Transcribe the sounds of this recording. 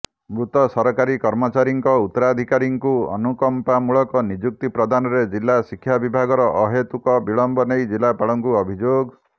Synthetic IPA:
mɾut̪ɔsɔɾɔkaɾikɔɾmɔt͡ʃaɾiŋkɔut̪ːɔɾad̪ʱikaɾiŋkuɔ̰nukɔmpamuɭɔkɔnid͡ʒuk̚t̪ipɾɔd̪anɔɾed͡ʒilːasikʰːjabibʱaɡɔɾɔʔɔɦet̪ukɔbiɭɔmbɔnejd͡ʒilapaɭɔŋkuɔbʱid͡ʒoɡ

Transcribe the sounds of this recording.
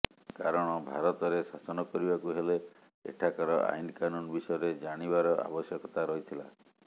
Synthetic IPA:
kaɾɔɽ̃ɔbʱa̰ɾɔt̪ɔɾesasɔnɔkɔɾibakuɦele | ḛʈʰakɔɾɔʔa̰jnkanunbisɔjɔɾed͡ʒaɽ̃ibaɾɔʔa̰bɔsjɔkɔt̪aɾɔɦit̪ʰila̰

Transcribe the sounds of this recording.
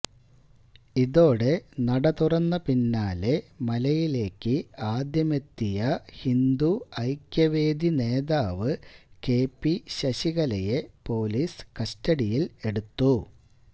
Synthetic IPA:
iðo̞ːɽe̞nɐɽɐt̪urɐnːɐpinːaːle̞mɐlɐjile̞ːkːɨaːd̪jɐme̞t̪ːijɐhind̪uɐjkjɐʋe̞ːd̪ine̞ːðaːʋɨke̞ːpːiɕɐɕiɣɐlɐjepo̞ːliːskɐstɐɽijile̞ɽut̪ːu

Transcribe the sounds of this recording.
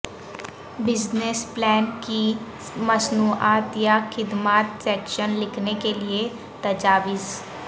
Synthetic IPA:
bɪd͡ʒnesplɛːnki | məsnuːaːt̪jaːxʰɪd̪maːt̪sɛːkʃənlɪkʰnekelɪe | t̪əd͡ʒaːʋɪz

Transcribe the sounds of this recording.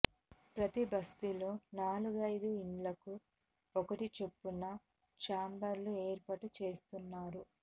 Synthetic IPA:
pɾɐt̪ibɐst̪ilo̞ːnaːluɡɐjd̪uiɳlɐku | ɔkɐʈit͡ʃe̞pːunːɐ | t͡ʃaːmbɐɾlueːɾpɐʈut͡ʃe̞ːst̪unːaːɾu

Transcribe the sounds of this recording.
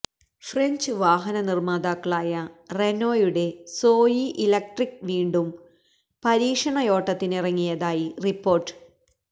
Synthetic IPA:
freɲd͡ʑɨʋaːɦɐnɐnirmaːd̪aːkːɐɭaːjɐrenoːjuɽe̞so̞ːjiʔilɐk̚ʈrikʋiːɳɖum | pɐɾiːkʂɐɳɐjo̞ːʈːɐt̪ːinirɐŋːijɐðaːjiripːo̞ːrʈːɨ̥

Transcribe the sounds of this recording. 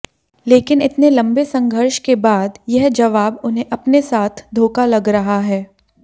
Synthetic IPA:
leːkɪnɪt̪nelɐ̃mbesɐ̃ŋɡʱəɾʃkebaːd̪jɛɦd͡ʒɐʋaːbʊnɦẽʔɐpnesaːt̪ʰd̪ʱoːkalɐɡɾɐɦaɦɛː

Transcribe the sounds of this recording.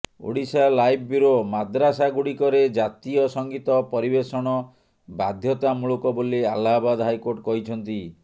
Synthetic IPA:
o̰ɽisalajbʰʱɔbjuɾomad̪ɾasaɡuɽikɔɾed͡ʒat̪ijɔsɔŋɡit̪ɔpɔɾibesɔɽ̃ɔ | bad̪ʱjɔt̪amuɭukɔbolialːabad̪ɦajkoɾʈkɔɦit͡ʃʰɔnt̪i

